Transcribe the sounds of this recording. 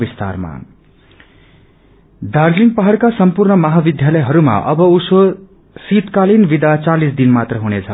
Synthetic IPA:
bist̪a̰rma̰ | d̪ard͡ziŋɡpʌɦʌɽkasʌmpurnʌmaɦabid̪ʱjalʌjɦʌɾuma̰ʔʌbʌuso | sit̪kalinbid̪at͡salisd̪inmat̪rʌɦunet͡sʰʌ

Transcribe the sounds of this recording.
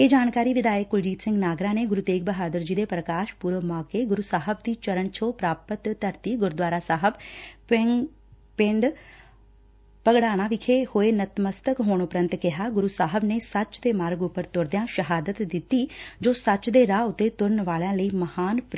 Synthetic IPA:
eːd͡ʒaːnkaːɾiːʋɪd̪aːjəkːʊld͡ʒiːt̪sɪ̃ŋɡnaːɡɾãːneːɡʊɾuːt̪eːk̚bəɦaːd̪əɾd͡ʒiːd̪eːpɾəkaːʃpuːɾʋəmaːkeːɡʊɾusaːɦəbd̪iːt͡ʃəɾəɳt͡ʃʰoːpɾaːpət̪ːəɾt̪iːɡʊɾd̪waːɾaːsaːɦəbpɪ | pɪ̃ɳɖ | pəɡɽaːɽ̃ãːʋɪkʰeːhoːeːnət̪məst̪əkɦoːɳ̃ʊpɾə̃nt̪kɪɦaːɡʊɾuːsaːɦəbneːsət͡ʃd̪eːmaːɾɡʊpːəɾt̪ʊɾd̪jãːʃəɦaːd̪ət̪d̪ɪt̪ːiːd͡ʒoːsət͡ʃd̪eːɾaːʊt̪ːeːt̪ʊɾnʋaːlãːləiːməhaːnp

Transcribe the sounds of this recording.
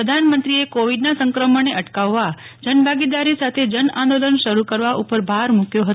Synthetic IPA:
əd̪ʱanmənt̪ɾiekoʋiɖnasə̃ŋkɾəməneʔəʈkaʋːa | d͡ʒənbʱaɡid̪aɾisat̪ʰed͡ʒənãnd̪olənʃəɾukəɾʋaʔupəɾbʱaɾmukjoɦət̪o

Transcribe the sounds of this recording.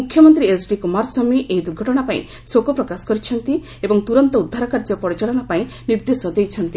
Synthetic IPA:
mukʰjɔmɔnt̪ɾiesɖikumaɾsɔmiʔejd̪uɾɡʱɔʈɔɽ̃apaḭ̃ | sokɔpɾɔkasɔ̥kɔɾit͡ʃʰɔnt̪i | ebɔŋt̪uɾɔnt̪ɔud̪ʱːaɾɔkaɾd͡ʒɔpɔɽit͡ʃalɔɽ̃apaĩ | niɾd̪esɔd̪ejt͡ʃʰɔnt̪i

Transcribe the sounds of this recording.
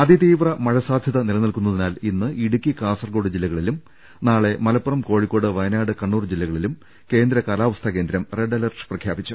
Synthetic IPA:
ɐd̪it̪iːʋrɐmɐɻɐsaːd̪ʱjɐðɐnilɐnɐlkunːɐðinaːlinːɨʔiɽukʲːikaːsɐrɡo̞ːɽɨd͡ʑilːɐɣɐɭilum | naːɭe̞mɐlɐpːɐrɐmko̞ːɻikʲːo̞ːɽɨʋɐjnaːɽɨkɐɳːuːrd͡ʑilːɐɣɐɭilum | ke̞ːnd̪ɾɐkaːlaːʋɐst̪ʰɐke̞ːnd̪ɾɐmreɖɐlɐrʂprɐkʰjaːbit͡ɕːu

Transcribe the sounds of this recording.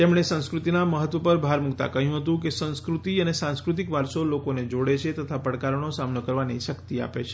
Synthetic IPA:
t̪emɽ̃esə̃w̃skɾut̪inaməɦət̪ʋəpəɾbʱaɾmuɡt̪a̰kəɦjũɦət̪ũkesə̃w̃skɾut̪iənesãskɾut̪̬ikʋaɾsolokoned͡ʒoɽet͡ʃʰet̪ət̪ʰapəɽkaɾəɳ̃osamnəkəɾʋanḛʃəkt̪ia̰pḛt͡ʃʰe̥

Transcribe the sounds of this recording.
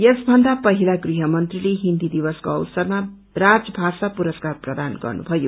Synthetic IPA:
jesbʱʌnd̪apʌɦilaɡriɦʌmʌnt̪rileɦind̪id̪ibʌskoʌwsʌrma | rad͡zʌbʱasapuɾʌskarprʌd̪anɡʌ̰rnṵbʱʌjo̰

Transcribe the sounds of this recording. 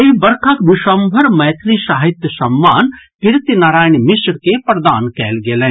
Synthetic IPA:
eɦbɐɾkʰakʋɪʃəmbʱəɾmɐjt̪ʰɾiʃaːɦit̪jəsɐmːaːnkɪɾt̪jnaːɾaːjnmɪsɾkepɾɐd̪aːnkɛːlɡelɛ̃

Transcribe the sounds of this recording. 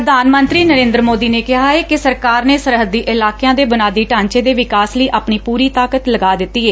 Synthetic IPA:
əd̪aːnmə̃nt̪ɾiːnəɾẽːnd̪ɾəmoːd̪iːneːkɪɦaːɛːkɪsəɾkaːɾneːsəɾɦəd̪iːʔɪlaːkejãːd̪eːbənaːd̪iːʈãːɲt͡ʃeːd̪eːʋɪkaːsləiːʔaːpɳiːpuːɾiːt̪aːkət̪ləɡaːd̪ɪt̪ːiːeː

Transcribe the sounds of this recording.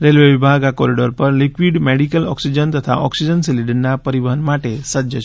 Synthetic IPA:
ɾelʋeʋibʱaɡakɔɾiɖɔɾpəɾlikwiɖmeɽikəlɔ̰ksid͡ʒənt̪ət̪ʰa̰ʔɔksid͡ʒənsiliɖnːapəɾibəɦənmaʈesəd͡ʒət͡ʃʰ

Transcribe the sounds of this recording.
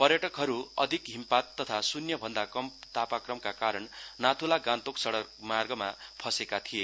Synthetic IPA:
pʌrjʌʈʌkɦʌɾuʌd̪ʱikɦimpat̪ːʌt̪ʰasunjʌbʱʌnd̪akʌmt̪apakrʌmkakaɾʌnnat̪ʰulaɡãnt̪oksʌɽʌrmarɡʌma̰pʰʌsekat̪ʰije

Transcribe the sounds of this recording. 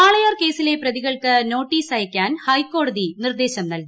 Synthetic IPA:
aːɭɐjoːrke̞ːsile̞prɐðiɣɐɭkɨno̞ːʈːiːsɐjɐkʲːaːnhɐjkːo̞ːɽɐðinird̪e̞ːɕɐmnɐlɡu

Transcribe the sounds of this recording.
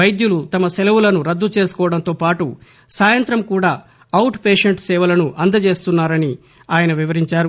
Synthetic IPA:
ɐjd̪julut̪ɐmɐsɛlɐwulɐnuɾɐd̪ːut͡ʃe̞ːsu̥kɔːʋɐɽɐnt̪o̞ːpaːʈu | saːjɐnt̪ɾɐmkuːɽaː | ɐwʈpeːʂeɳʈsɛːʋɐlɐnuʔɐnd̪ɐt͡ʃe̞ːst̪unːaːɾɐni | aːjɐnɐʋiʋɐɾiɲt͡ʃaːɾu

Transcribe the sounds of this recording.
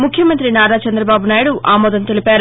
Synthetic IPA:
mukʰjɐmɐnt̪ɾinaːɾaːt͡ʃɐnd̪ɾɐbaːbunaːjɽuʔaːmɔːd̪ɐnt̪e̞lipaːɾ

